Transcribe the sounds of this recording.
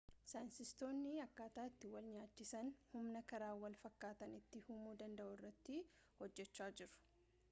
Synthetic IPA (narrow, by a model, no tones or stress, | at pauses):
sansɪst̪o̞ːnːɪɐkːaːt̪aːɪt̪ːɪwɐlɲaːt͡ʃːɪsɐnhʊmnɐkɐɾaːwɐlfɐkːaːt̪ɐnɪt̪ːɪhumuːd̪ɐnd̪ɐʔʊɪrːɐt̪ːɪ | hɔd͡ʒːɛt͡ʃːaːd͡ʒɪɾʊ̥